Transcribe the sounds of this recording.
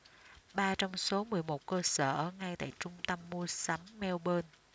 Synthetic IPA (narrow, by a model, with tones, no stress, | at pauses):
ɓaː˧t͡ɕɔ˧wŋ͡mso˨˦mɨ˨˩əjmo˨˩t̚kəː˧səː˧˩ʔəː˧˩ŋa˧jt̪a̰ː˧˨jt͡ɕʊ˧ŋ͡mt̪ə˧mːu˧əsa˨˦mːɛ˧wɓəː˧n